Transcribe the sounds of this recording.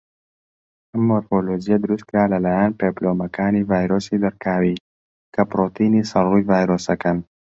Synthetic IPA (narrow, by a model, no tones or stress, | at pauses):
əmoɾfolod͡ʒijad̪uɾust̪̚kɾaːlalajaːnpeplomakaːnivajɾosid̪əɾkaːwi | kapɾot̪inisalujvajɾosakan